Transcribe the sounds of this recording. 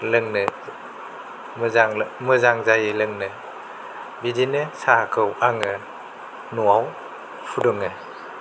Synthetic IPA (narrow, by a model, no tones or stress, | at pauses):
lɯŋnɯ | mzaŋmɯzaŋzajilɯŋnɯ | bidinɯsakʰɯwaŋɯ | nuaw | pʰudɔŋɯ